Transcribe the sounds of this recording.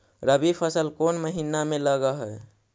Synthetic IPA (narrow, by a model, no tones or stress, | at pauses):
ɾəbipʰəsəlkonməɦinameləɡaɦə